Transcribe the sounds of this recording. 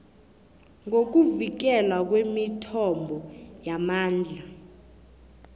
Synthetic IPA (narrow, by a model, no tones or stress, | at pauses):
ŋok̬uvik̬ɛlwak̬wemitʰɔmbʱɔjamaːnd͡ɮʱa